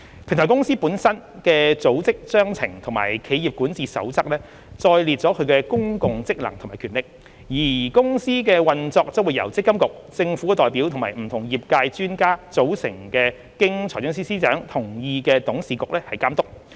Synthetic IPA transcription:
pʰɪ˨˩ŋt̪ʰɔ˨˩kʊ˥ŋsiː˥puː˨˥nsɐ˥n | kɛː˧t͡so˨˥wt͡sɪ˥k̚t͡sœː˥ŋt͡sʰɪ̰˨˩ŋt̪ʰʊ˨˩ma̰ː˨˩jkʰe˨˧jiː˨p̚kuː˨˥nt͡siː˨˧sɐ̰˨˥wt͡sɐ˥k̚lɛː˥ | t͡sɔː˧jli˨˧t̚t͡sɔː˨˥kʰɵ˨˧ɥkɛː˧kʊ˥ŋkʊ˨ŋt͡sɪ˥k̚lɐ˨˩ŋt̪ʰmaː˨˩kʰyː˨˩nlɪ˨k̚ | jːiː˨˩kʊ˥ŋsiː˥k̬ɛː˧wɐ˨nt͡sɔː˧k̚t͡sɐ˥wuː˨˩jɐ˨˩wt͡sɪ˥kːɐ˥mkʊ˨k̚t͡sɪ˧ŋfuː˨˥kɛ˧t̪ɔː˨jpiː˨˥wt̪ʰʊ˨˩maː˨jm̩˨˩t̪ʰʊ˨˩ŋjiː˨p̚kaː˧jt͡ʃyː˥nkaː˥t͡so˨˥wsɪ̰˨˩ŋkɛː˧ | kɪ˥ŋt͡sʰɔː˨˩jt͡sʊ˥ŋsiː˥siː˥t͡ʃœː˨˥ŋt̪ʰʊ˨˩ŋjiː˧kɛː˧t̪ʊ˨˥ŋsiː˨˧kʊ˨k̚lɛː˥hɐ˨jkaː˥mt̪ʊ˥k̚

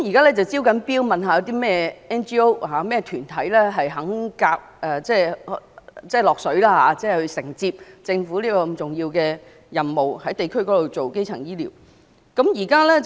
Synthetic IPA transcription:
kmjiː˨˩kaː˥lɛː˥t͡sɐ˨wt͡si˥wkɐ˨˥npiː˥wmɐ˨nɦaː˧jɐ˨˧wt̪iː˥mɛː˥ɛː˥nt͡ʃiː˥o˥whaː˨˧mɛː˥t̪ʰyː˨˩nt̪ʰɐ˨˥jlɛː˥ɦɐ˨jɦɐ˨˥ŋkaː˧k̚ʔɛ˨˧t͡sɛː˥˩ | t͡sɛː˥˩lɔː˨k̚sɵ˨˥ɥlaː˥ɦaː˨˧˦t͡sɛː˥hɵ˧ɥsɪ˨˩ŋt͡siː˧p̚t͡sɪ˧ŋfuː˨˥liː˥kɔː˧˨˧mt͡sʊ˨˩ŋjiː˧wkɛː˧ | jɐ˨˩nmo˨whɐ˨˥jt̪e˨jkʰɵ˥ɥkɔː˨˥lo˨wt͡so˨wke˥jt͡sʰɐ̰˨˩ŋjiː˥lḭː˨˩w | kɐ˨˥mjiː˨˩kaː˥lɛː˥

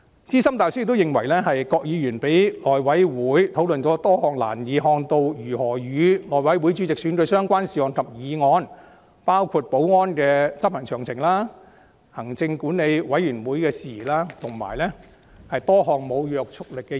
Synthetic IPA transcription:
t͡siː˥sɐ˥mt̪aː˨jsy˥˨kt̪wjɪ˨ŋwɐ˨˩jlɛː˥hɐ˨jkɔː˧k̚jiː˨˧ɥyː˨˩npe˨˥jlɔː˨jwɐ˨˥jwuː˨˥jt̪ʰo˨˥wlɵ˨nt͡ʃɔː˨˥t̪ɔː˥hɔː˨ŋla̰ː˨˩njiː˨˧ɦɔː˧ŋt̪o˧wjyː˨˩hɔː˨˩jyː˨˧lɔː˨˩jwɐ˨˥jwuː˨˥jt͡ʃy˨˥t͡sɪ˨k̚syː˨˥nkɵ˧ɥsœː˥ŋkʷaː˥nsiː˨˧ɔː˨˧nkʰɐ˨p̚jiː˨˧ŋɔː˨˧n | paː˥wkʰuː˧t̚po˨˥wŋɔː˥nkɛː˧t͡sɐ˥p̚hɐ˨˩ŋt͡ʃʰœː˨˩ŋt͡sʰɪ˨˩ŋlaː˥ | hɐ˨˩ŋt͡sɪ˧ŋkuː˨˥nne˨˧jwɐ˨˥jɥyː˨˩nwuː˨˥jkɛː˧siː˨laː˥t̪ʰʊ˨˩ŋma̰ː˨˩jlɛ˥ | hɐ˨jt̪ɔː˥ɦɔː˨ŋmo˨˧wjœː˨k̚t͡sʰʊ˥k̚lɪ˨kːɛː˧

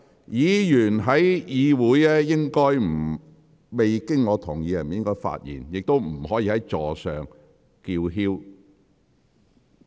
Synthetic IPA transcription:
jiː˨˧jyː˨˩nɦɐ˨˥jjiː˨˧wuː˨˥jɛː˥jɪ˥ŋkɔː˥jm̩˨˩ | me˨jkɪ˥ŋŋɔː˨˧t̪ʰʊ˨˩ŋjiː˨˧jɐ˨˩njɪ˥ŋkɔː˥jfa̰ː˧t̚jḭː˨˩njɪ˨k̚t̪o˥wm̩˨˩hɔː˨˥jiː˧hɐ˨˦jt͡ʃɔː˨sœː˨ŋ | kiː˧wɦiː˥w

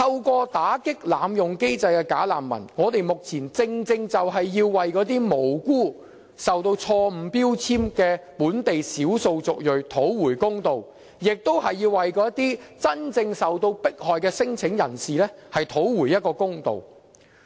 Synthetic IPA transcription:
t̪ʰɐ˧wkʷɔː˧t̪aː˨˥kɪ˥k̚laː˨˧mjʊ˨ŋke˥jt͡sɐ˧jkɛː˧kaː˨˥la̰ː˨mːɐ̰˨˩nŋɔː˨˧t̪e˨jmʊ˨k̚t͡sʰiː˨˩nt͡sɪ˧ŋt͡sɪ˧ŋt͡sɐ˨wɦɐ˨jːiː˧wːɐ˨jkɔː˨˥t̪̬iː˥mo˨˩wkuː˥˩ | sɐ˨wt̪o˧wt͡sʰɔː˧m̩˨˩piː˥wt͡sʰiː˥mkɛː˧puː˨˥nt̪e˨jsiː˨˥wso˧wt͡sʊ˨k̚jɵ˨ɥt̪ʰo˨˥wwuː˨˩jkʊ˥ŋt̪o˨w | jɪ˨k̚t̪o˥whɐ˨jːiː˧wːɐ˨jkɔː˧jɐ˥t̪iː˥t͡sɐ˥nt͡sɪ˧ŋsɐ˨wt̪o˧wpɪ˥k̚hɔː˨jkɛː˧sɪ˥ŋt͡sʰɪ˨˥ŋjɐ̰˨˩nsiː˨˩lɛː˥hɐ˨jt̪ʰo˨˥wwuː˨˩jɐ˥t̚kɔː˧kʊ˥ŋt̪o̰˨˩w

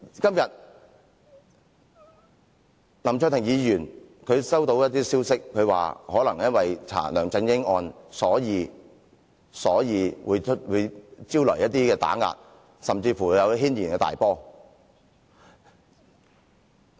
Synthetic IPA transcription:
kɐ˥mjɐ˨t̚ | lɐ˨˩mt͡ʃʰœ˧t̪ʰɪ˨˩ŋjiː˨˧jyː˨˩nkʰɵ˨˧ɥsɐ˥wt̪o˨˧wjɐ˥t̚t̪iː˥siː˥wsɪ˥kkʰːɵ˨˧ɥwa̰ː˨hɔː˨˥lɐ˨˩ŋjɐ˥nwɐ˨jt͡sʰa̰ː˨˩lœː˨˩ŋt͡sɪ˧ŋjɪ˥ŋɔː˧nsɔː˨˥jiː˨˧ | sɔː˨˥jiː˨˧wuː˨˧jt͡ʃʰt̚wuː˨˧jt͡siː˥wlɔ̰ː˨˩jɐ˥t̚t̪iː˥kɛː˧t̪a̰ː˨˥ŋa̰ː˧t̚ | sɐ˨mt͡siː˧fuː˨˩jɐ˨˧wɦiː˥njiː˨˩nkɛː˧t̪a̰ː˨jpɔː˥

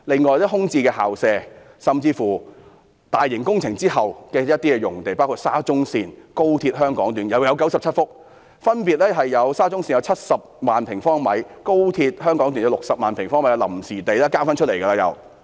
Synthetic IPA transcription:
lɪ˨ŋːɔː˨jt̪iː˥ɦʊ˥ŋt͡siː˧kɛː˧haː˨wsɛː˧ | sɐ˨mt͡siː˧fuː˨˩ | t̪aː˨jːɪ˨˩ŋkʊ˥ŋt͡sʰɪ˨˩ŋt͡siː˥hɐ˨wkɛː˧jɐ˥t̚t̪iː˥kɛː˧jʊ˨˩ŋt̪e˨jpaː˥wkʰuː˧t̚saː˥t͡sʊ˥ŋsiː˧nko˥wt̪ʰiː˧t̚ɦœː˥ŋkɔː˨˥ŋt̪yː˨˥njɐ˨˧wjɐ˨˧wkɐ˨˥wsɐ˨p̚t͡sʰɐ˥t̚fʊ˥k̚ | fɐ˥npiː˨˧t̚lɛː˥ɦɐ˨jjɐ˨˧wsaː˥t͡sʊ˥ŋsiː˧njɐ˨˧wt͡sʰɐ˥t̚sɐ˨p̚maː˨npʰɪ˨˩ŋfɔː˥ŋmɐ˨˥jko˥wt̪ʰiː˧t̚hœː˥ŋkɔː˨˥ŋt̪yː˨˩jɐ˨˧wlʊ˨k̚sɐ˨p̚maː˨˩npʰɪ˨˩ŋfɔː˥ŋmɐ˧˦jkɛ˧lɐ̰˨˩msiː˨˩t̪e˨jlɛː˥kaː˥wfaː˥nt͡ʃʰɵ˥le˨˩jkɐ˧laː˧jɐ̰˨˧w

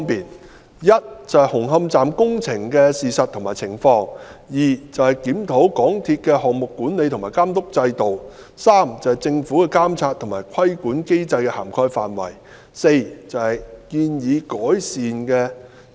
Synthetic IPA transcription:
ŋpiː˨n | jɐ˥t̚t͡sɐ˨whɐ˨jhʊ˨˩ŋɦɐ˧mt͡saː˨mkʊ˥ŋt͡sʰɪ˨˩ŋkɛː˧siː˨sɐ˨t̪ʰːʊ˨˩ŋmaː˨˩t͡sʰɪ˨˩ŋfɔː˧ŋjiː˨˩t͡sɐ˨whɐ˨jkiː˨˥mt̪ʰo˨˥wkɔː˨˥ŋt̪ʰiː˧t̚kɛː˧ɦɔː˨kŋ̚mʊ˨kːuː˨˥nle˨˧jt̪ʰmaː˨˩jkaː˥mt̪ʊ˥k̚t͡sɐ˧jt̪o˨w | saː˥mt͡sɐ˨whɐ˨˩jt͡sɪ˧ŋfuː˨˥kɛː˧kaː˥mt͡sʰaː˧t̪ʰʊ˨˩maː˨˩jkʰɐ˥jkuː˨˥nke˥jt͡sɐ˧jkɛː˧ha̰ː˨˩mkʰɔː˥jfa̰ː˨nwɐ̰˨˩j | se˧jt͡sɐ˨whɐ˨jkiː˧njiː˨˧kɔː˨˥jsiː˨nkɛː˧

